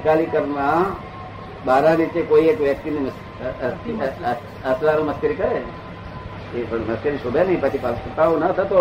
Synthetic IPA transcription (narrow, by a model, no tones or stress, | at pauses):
kalikəɾnã | baːɾãnɪ̃t͡ʃekoiekʋjɐk̚t̪iniməs | əslaɾũməskɪɾikəɾe | epəɳməskiɾiʃʊbʱjanɐɦĩpət͡ʃʰipəət̪aõnət̪ʰət̪o